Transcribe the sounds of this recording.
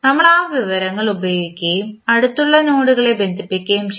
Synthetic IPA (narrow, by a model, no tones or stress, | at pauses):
nɐmːɐɭaːʋiʋɐɾɐŋːɐɭubɐjoːɡikʲːɐjumɐɽut̪ːuɭːɐnoːɽuɣɐɭe̞be̞nd̪ʱipːikʲːɐjumɕ